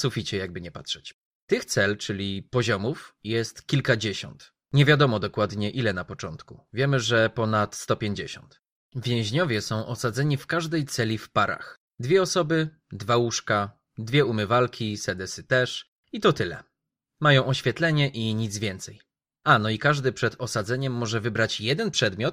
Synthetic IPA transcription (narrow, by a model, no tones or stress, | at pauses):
sufʲit͡ɕɛjaɡ̚bɘɲɛpatʂɛt͡ɕ | t̪ɘxt̪sɛlt͡ʂɘlʲipɔʑɔmufjɛst̪kʲilkad͡ʑeɕɔ̰nt̪ | ɲɛvʲjad̪ɔmɔd̪ɔkwad̪ɲɛʔilɛnapɔt͡ʂɔnt̪kuvʲjɛmɘʐɛpɔnat̪st̪ɔpʲjeɲd͡ʑeɕɔ̰nt̪ | vʲjɛ̃w̃ʑɲɔvʲjɛsɔ̃w̃ʔɔsad̪zɛɲifkaʐd̪ɛjt̪sɛlʲifpaɾa̰x | d̪vʲjɛɔsɔbɘ | d̪vawuʂka | d̪vʲjɛumɘvalkʲisɛd̪ɛsɘt̪ɛʂ | it̪ɔt̪ɘlɛ̰ | majɔ̃w̃ʔɔɕfʲjɛt̪lɛɲɛʔiɲid̪zvʲjɛnt̪sɛj | anɔikaʐd̪ɘpʂɛd̪ɔsad̪zɛɲɛmːɔʐɛvɘbɾat͡ɕjɛd̪ɛnpʂɛd̪mʲjɔt̪̚